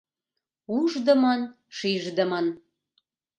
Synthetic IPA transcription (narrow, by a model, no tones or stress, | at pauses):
uʒd̪əmən | ʃiʒd̪əmən